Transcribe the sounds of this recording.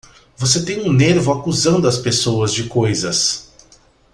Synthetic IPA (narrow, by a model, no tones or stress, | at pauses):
voset̪ẽj̃ũneɾvʊakuzɐ̃nd̪ʊɐspesowɐzd͡ʒɪkojzɐs